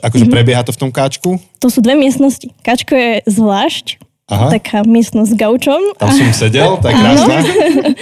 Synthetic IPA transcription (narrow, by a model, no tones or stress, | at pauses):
akɔʒɛpɾɛbɪɛɦat̪ɔft̪ɔmkaːt͡ʃkut̪ɔsuːd̪ʋɛmɪɛst̪nɔscikaːt͡ʃkɔjɛzʋlaːʃc | aɦtaakʰaːmɪɛst̪nɔzzɡaʊt͡ʃɔmammsɔmsɛɟɛlt̪akkɾana